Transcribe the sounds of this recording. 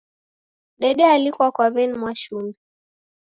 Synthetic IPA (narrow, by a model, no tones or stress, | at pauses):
ɗɛɗɛalikuakwavɛnmwaʃumɛ